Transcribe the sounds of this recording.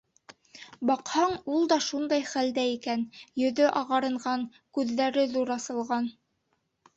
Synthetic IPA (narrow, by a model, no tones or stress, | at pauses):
bɑqhɑɴulˠd̪ɑʃund̪ɑjχæld̪æikænjɵ̆ðɵʔɑʁɑɾɤ̆ɴʁɑŋ | kʉðːæɾɘðuɾɑsɤ̆lˠʁɑn